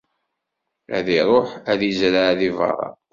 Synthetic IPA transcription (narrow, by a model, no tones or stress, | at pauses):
æ̰ðiɾˤoħæðizɾaðivɑ̰ʁɑ̰